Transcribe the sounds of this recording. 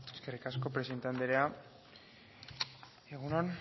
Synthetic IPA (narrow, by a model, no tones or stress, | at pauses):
eske̞rikasko̞pɾesent̪and̪eɾea | eɣ̞unon